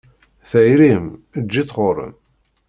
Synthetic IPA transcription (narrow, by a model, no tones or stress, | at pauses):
θæjɾiməd͡ʒːit͡sːʁoɾə̰m